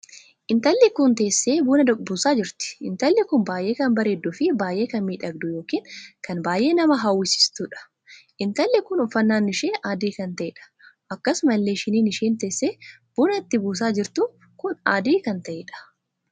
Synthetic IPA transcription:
ʔɪnt̪ɐlːɪkʊnt̪e̞ːsːeːbuːnɐd̪ɐkʼbuːsaːd͡ʒɪɾt̪ɪ̥ʔɪnt̪ɐlːɪkʊnbaːjʔeːkɐnbɐɾeːd̪ːʊfɪbaːjʔeːkɐnmiːᶑɐɡd̪ʊjo̞ːkiːnkɐnbaːjʔe̞ːnɐmɐɦɐwːɪsɪ̥st̪ʊᶑɐ̥ | ʔɪnt̪ɐlːɛkʊnʊfːɐnːaːnːɪʃeːʔaːd̪iːkɐnt̪ɐʔeːᶑɐ̥ʔɐkːɐsmɐlːeːʃɪniːnɪʃeːnt̪eːsːeːb̥uːnɐɪt̪ːɪbuːs̬aːd͡ʒɪɾt̪ʊ | kʊnaːd̪iːkɐnt̪ɐʔeːᶑɐ̥

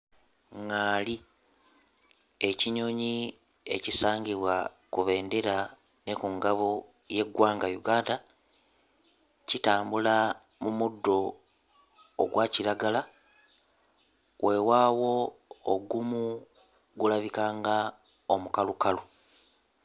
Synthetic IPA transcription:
ŋaːli | e̞ciɲo̞ːɲi | e̞̰cisaːɲɟiβwa | kuβe̞ːnde̞ɾa | ne̞kuŋɡaβo | je̞ɡwaːŋɡajuɡaːnda | citaːmbula | mumudːo̞ | ɡwaːciɾaɡala | wʔe̞waːwo̞ːɡumu | ɡulaβikaːŋɡa | o̞mukalukalu

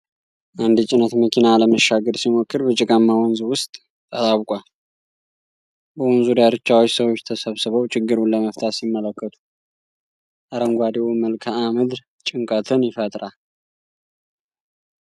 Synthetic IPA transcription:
ʔand̪ɨt͡ʃʼɪnət̪məkʰinaləməʃːaɡəɾsimokːɨɾbət͡ʃʼɪkʼamːawɔnzwʊst̪ʼː | ət̪ʼawkʼal | bəwɔnzudaɾɨt͡ʃːawot͡ʃːsəwo̞t͡ʃːt̪ʰəsəβsɨβəwt͡ʃʰʼɪɡːɨɾunləməft̪ʰat̪simːələkːət̪ʰu̥ | ʔaɾəŋɡʷad̪ewməlkʰaamɨd̪ɾ | t͡ʃʼɪŋkʼət̪ʰɨnjɪfət̪ʼɾal

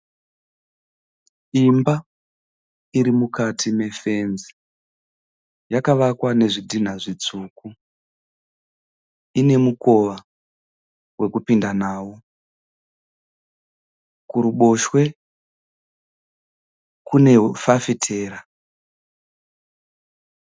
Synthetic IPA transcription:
imba | iɾimukatʰime̞fe̞nd͡zi̥ | jakaʋakwane̞ʐidʱin̤aʐit͡suːku | ine̞muko̞ʋa | we̞kupindanaːwo | kuɾuɓo̞ʃwe̞ | kune̞fafitʰe̞ːɾa

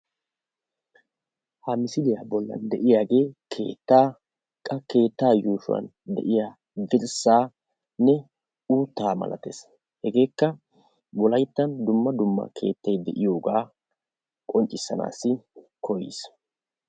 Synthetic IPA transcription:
hɐmɪsɪlɪjaːbɔlːɐ̰nd̪ɛʔɪjaːɡe̞ːkʰe̞̰ːt̪ːaː | kʼːɐke̞ːt̪ːaːjuːʃʊwɐ̰n | d̪ɛ̰ʔɪjaː | b̪ɪɾsːaː | nɛ | uːt̪ːaːmɐ̰lɐ̰t̪es | hɛɡe̞ːkːɐ | bɔlɐjt̪ːɐnd̪ʊmːɐd̪ʊmːɐ̰kʰe̞̰ːt̪ːɐjd̪ɛʔɪjo̞ːɡaː | kʼɔnt͡ʃʼːɪsːɐna̰ːsːɪ | kʰɔjḭs

